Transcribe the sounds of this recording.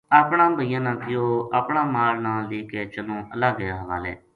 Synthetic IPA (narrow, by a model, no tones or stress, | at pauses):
aːpɳãːbʱəijãːnãːkɪjoːaːpɳãːmaːɾnãːliːkeːt͡ʃəlõːəlaːɡəjaːɦəʋa̰ːlḛː